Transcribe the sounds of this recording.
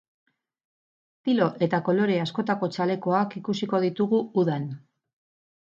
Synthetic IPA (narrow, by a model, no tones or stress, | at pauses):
t̪ilo̞ʔe̞t̪ako̞lo̞ɾe̞asko̞t̪ako̞t͡ʃale̞ko̞akikusiko̞ð̞it̪uɣuuðan